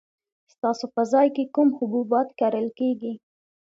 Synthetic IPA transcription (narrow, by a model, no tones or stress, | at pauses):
st̪ɑsopəzɑjkekumhʊbubɑt̪kaɾəlkeɡi